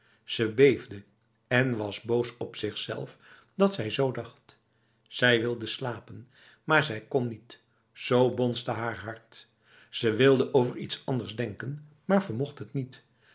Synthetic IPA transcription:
z̥əbejvdə | ɛnʋɑzbowsɔpsɪχsɛ̰lˠf | dɑtsɛjzowdɑχt | z̥ɛjʋɪlˠdəslaːpən | maːɹzɛjkɔnːit | z̥owbɔnstəɦaːɹɦɑɹt | z̥əʋɪlˠdəʔowvəɹḭtsɑndəɹzdɛŋkən | maːɹv̥əɹmɔχtɦətnit

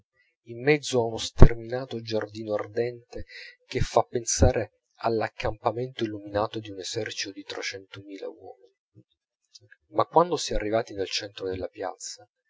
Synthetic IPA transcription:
imːɛd̪zːoaunost̪erminaːt̪od͡ʒard̪iːnoard̪ɛnt̪ek̟efːapːensaːɾe | alːakːampament̪oilːuminaːt̪od̪iunezɛrt͡ʃit̪od̪it̪ɾɛt͡ʃɛnt̪omiːla̰wɔ̰ːmini | makːwand̪osɛarːivaːt̪inelt͡ʃɛnt̪ɾod̪elːapja̰t̪sa

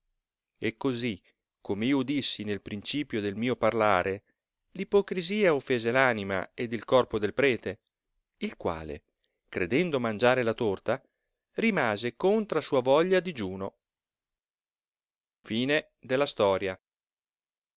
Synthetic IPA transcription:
ekːozi | kʰːomeiːoud̪isːinelpɾint͡ʃiːpjod̪elmiːoparlaːɾe | lipokɾiziːaofːeːzelaːnima̰ed̪ilkɔrpod̪elpɾɛːt̪e | ilkwa̰ːlḛ | kɾed̪ɛnd̪omand͡ʒaːɾelat̪ort̪a | rimaːzekont̪ɾasuːavɔʎːad̪id͡ʒuːno | fiːne | d̪elːast̪ɔːɾja

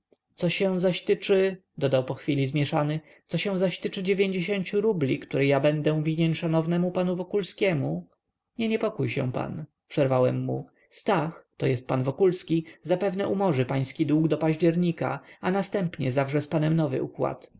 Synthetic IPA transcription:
t̪sɔɕɛ̃zaɕt̪ɘt͡ʂɘd̪ɔd̪awpɔxfʲilʲizmʲjɛʂanɘ | t̪sɔɕɛ̃w̃zaɕt̪ɘt͡ʂɘd͡ʑevʲjeɲd͡ʑeɕeɲt͡ɕuɾublʲikt̪uɾɛjabɛnd̪ɛ̃vʲiɲeɲʂanɔvnɛmupanuvɔkulskʲɛmu | ɲɛɲɛpɔkujɕɛ̰̃pa̰n | pʂɛɾvawɛmːu | st̪axt̪ɔjɛst̪̚panvɔkulskʲizapɛvnɛʔumɔʐɘpaj̃skʲid̪wuɡd̪ɔpaʑd͡ʑɛɾɲika̰anast̪ɛmpɲɛzavʐɛspanɛmnɔvɘ̰ʔukwa̰t̪

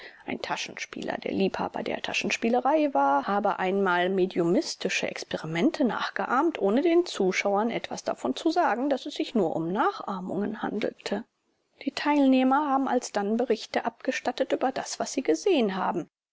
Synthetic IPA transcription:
ʔaɪntʰaʃn̩ʃpḭːlɐ̰deːɐliːpha̰ːbɐ̰dḛːɐtʰa̰ʃn̩ʃpiːləʁaɪvaːɐhaːbəʔaɪnmaːlmedjomɪstɪʃə̰ʔɛ̰kspɛʁimɛntʰəna̰ːχɡ̥əʔaːɐmtʔoːnədeːnt͡suːʃaʊɐnʔɛtv̥a̰sd̥a̰fɔnt͡suzaːɡŋ̩dasɛsz̥ɪçnuːɐʔʊ̰mnaːχʔaɐmʊ̰ŋənha̰ndl̩tʰə | d̥iːtʰaɪlneːmɐhaːbm̩a̰lsd̥anbəʁɪçtəʔap̚ɡ̥əʃtatətʔyːbɐdasv̥asz̥iːɡəzeːənɦaːbm̩

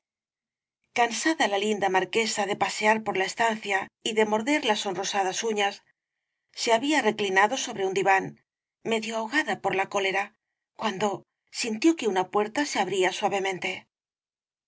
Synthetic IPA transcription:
kansaðalalind̪amaɾke̞saðe̞pase̞aɾpo̞ɾlae̞st̪anθjaiðe̞mo̞ɾðe̞ɾlaso̞nro̞saðasuɲasː | e̞aβiare̞klinaðo̞so̞βɾe̞und̪iβan | me̞ðjo̞aoɣaðapo̞ɾlako̞le̞ɾa | kwand̪o̞ | sint̪jo̞ke̞unapwe̞ɾt̪ase̞aβɾiaswaβe̞mẽ̞nt̪e̞

